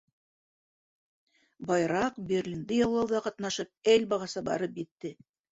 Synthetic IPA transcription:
bɑjɾɑqbʲerʲlʲind̪ɘjɑwlˠɑwðɑqɑt̪nɑʃɤp̚ælbɑʁɑsɤbɑ̰ɾɤpjɘ̆t̪ːɘ

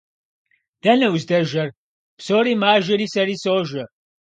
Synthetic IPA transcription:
d̪̥ɐnɐwzd̪ɐʒɐr | psoːɾimaːʒɐɾisɐɾisoːʒɐɾ

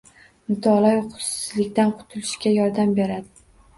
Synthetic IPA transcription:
mɪt̪ʰɒlˠajχʊ̥sɪ̥slɪkʲt̪anqʰʊ̥t̪ʰʊlɪʃkʲajɒɾd̪ambe̞ɾad̪ɪ

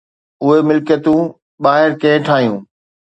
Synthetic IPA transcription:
ʊɦemɪlkjət̪ũː | ɓaːɦɪɾkẽɦɪ̃ʈʰaːɦijũː

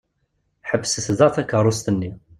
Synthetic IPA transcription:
ħəbːsəszˤɑθækːərˤːost̪ənːi

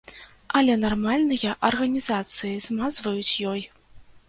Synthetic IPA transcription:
ɐlʲɛnarmalʲnɨjɐʔɐrɣɐnʲizat̪sɨjizmazvɐjut͡sʲjɔj

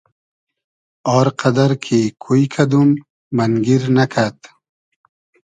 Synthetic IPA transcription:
ɑːɾqʰad̪aɾkʰikʰujkʰad̪umː | anɡiɾnakʰat̪

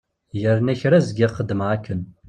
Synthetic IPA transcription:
jəɾnæçɾæzɡʲiχəd̪mʁakʰːən

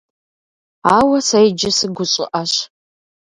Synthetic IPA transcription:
aːwɐsɐjd͡ʒɪsɨɡʷʊɕʼɪ̰ʔɐɕ

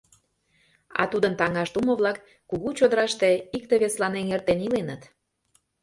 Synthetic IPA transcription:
ɑ̰t̪ud̪ənt̪ɑŋɑʃt̪uməβlɑkː | uɣut͡ɕod̪əɾɑʃt̪eik̚t̪eβeslɑneŋert̪enilenət̪

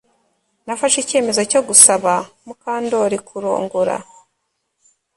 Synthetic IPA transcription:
nafaʃice̞ːme̞zo̞co̞ɡusaβamukaːndo̞ːɾikʰuɾo̰ːŋɡuɾa̰

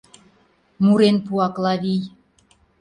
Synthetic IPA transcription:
muɾenpuɑklɑβij

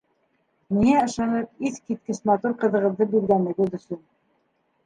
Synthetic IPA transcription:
miŋæɤ̆ʃɑnɤp̚iθkit̪̚kɘʃmɑt̪uɾqɤ̆ðɤ̆ʁɤ̆ðːɤbiɾɡænɘ̆ɡɘðɵ̆sɵn

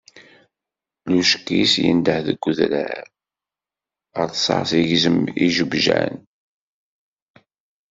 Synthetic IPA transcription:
luʃkːisjə̰nd̪əħðəɡʷːʊðɾæ | ɾθsˤə̰ʕsiʝzəmiʒəbʒæ̰n

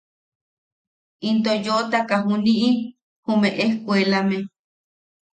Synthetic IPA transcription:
int̪̬ojoʔt̪akaɦuniʔi | humeʔehkʷelame

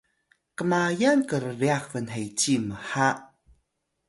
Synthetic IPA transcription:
kəmajankəɾəɾiaxvənɦejt͡ɕiməħaʔ

